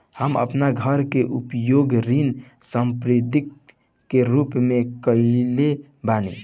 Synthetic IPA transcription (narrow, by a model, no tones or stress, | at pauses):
həmə̰pnaɡʱəɾkeʔupjoɡɾinsəmpɾid̪ikː | eɾupmekəile | banḭ